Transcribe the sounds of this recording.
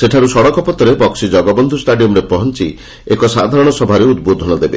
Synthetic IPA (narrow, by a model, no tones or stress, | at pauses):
seʈʰaɾusɔɽɔkɔpɔt̪ɔɾebɔksid͡ʒɔɡɔbɔnd̪ʱusʈaɖiɔmɾepɔɦɔnt͡ʃi | ekɔsad̪ʱaɾɔɽ̃ɔsɔbʱaɾeud̪̚bod̪ʱɔñɔd̪ebe